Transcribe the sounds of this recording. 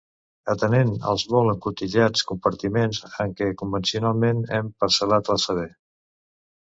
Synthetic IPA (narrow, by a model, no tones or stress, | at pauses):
ət̪ənenə̰lˠzmɔləŋkut̪iʎat͡skumpəɾt̪imenzəŋkɛkumbənsiunalˠmenɛmpəɾsəlat̪əlˠsəβe